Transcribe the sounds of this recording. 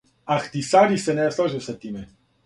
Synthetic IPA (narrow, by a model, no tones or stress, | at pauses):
axt̪isaɾisɛnɛslɔʒɛwsat̪imɛ